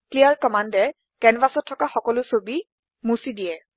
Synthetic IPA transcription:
klijaɹkɔmandɛ | kɛnvasɔtʰːɔkaxɔkɔlʊsobi | musidijɛ

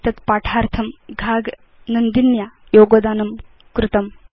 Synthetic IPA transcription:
t̪ɐt̪paːʈʰaːɾt̪ʰɐmɡʱaːɡ | nɐnd̪injaːjoːɡod̪aːnɐm | kɾut̪ɐm

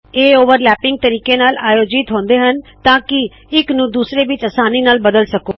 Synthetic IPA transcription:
eːoːʋəɾlɛːpɪŋɡ̚t̪əɾiːkeːnaːlaːjoːd͡ʒɪt̪ɦõːnd̪eːɦənt̪ãːkɪ | ɪknũːd̪uːsɾeːʋɪt͡ʃəsaːniːnaːlbəd̪əlsəkoː

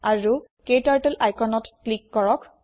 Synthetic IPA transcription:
aɹukejtaɹtɛlajkʰɔnɔtklikːɔɹɔk

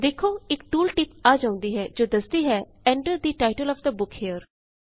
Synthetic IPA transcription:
d̪eːkʰːoːɪkʈuːlʈɪpaːd͡ʒaːʊ̃nd̪iːɦɛːd͡ʒoːd̪əsd̪iːɦɛː | ɛ̃ːɳʈəɾd̪iːʈaːɪʈəlɔːfd̪əbʊkheəɾ

